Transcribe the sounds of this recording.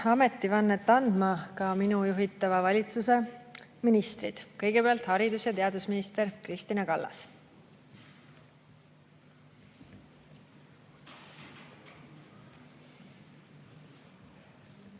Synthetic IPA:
ɑme̞t̪ːˑivɑnːet̪ːɑnd̪̥mɑkɑminujuɦit̪ːˑɑvɑvɑlʲit̪suse̞minist̪rid̪̥kɤjɡ̥e̞peɑlt̪hɑɾid̪usjɑt̪e̞ɑd̪̥usminist̪eɾkrist̪inɑkɑlːɑ̰s

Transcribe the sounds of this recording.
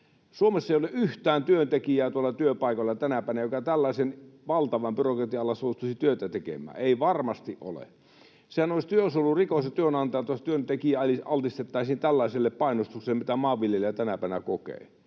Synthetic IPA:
suomesːɑeˑijoleʔʔyht̪æːnt̪yønt̪ekijæːt̪uolːɑt̪yøpɑˑikoelːɑt̪ænæpæˑinæjokɑt̪ælːɑˑisenʋɑlt̪ɑʋɑmbyrokrɑt̪iɑlːɑsoˑust̪usit̪yøt̪æt̪ekḛmˑæ̰ːeˑiʋɑrmɑst̪iʔʔo̰lḛ | sehænoˑisʲt̪yøsolːurikosjɑt̪yønɑnt̪ɑjɑt̪uɑst̪yønt̪ekiæɑliɑlt̪ist̪et̪ːɑˑisiːnt̪ælːæiselːeppɑinost̪ukselːĕmit̪æmɑːʋːiljelæt̪ænæpæˑinæ̰kokḛˑː

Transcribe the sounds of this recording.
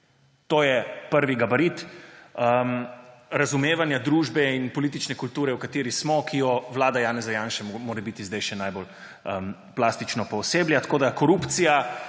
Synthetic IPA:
t̪oːjɛpəɾʋiɡabaɾit̪əmɾazumeːʋanjad̪ɾuːʒbɛinpɔliːt̪it͡ʃnɛkult̪uːɾɛwkat̪eːɾismɔkʰijɔʋlaːd̪ajaːnɛzajaːnʃɛmmoːɾɛbit̪izd̪ɛjʃɛnaːjbol | əm | plaːst̪it͡ʃnɔpɔseːbljat̪ḁkoːd̪akɔɾuːpt̪sija

